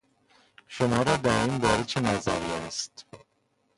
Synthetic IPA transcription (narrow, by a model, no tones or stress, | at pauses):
ʃomɒːɾɒːd̪æɾiːnbɒːɾet͡ʃʰenæzæ̰ɾiːæst̪